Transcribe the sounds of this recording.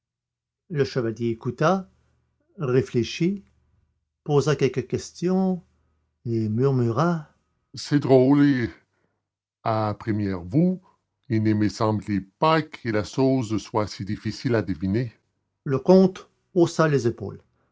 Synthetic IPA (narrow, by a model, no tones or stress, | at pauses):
ləʃəvaljeːkut̪a | ʁefleʃi | pozakʲɛlkʲəkʲɛst̪jɔ̃ | emyʁmyʁa | sɛd̪ʁole | apʁimjɛʁvu | ilnemesɑ̃blepakʰəlaʃoːzswasid̪ifisilad̪əvine | ləkɔ̃t̪ | osalezepo̰ːl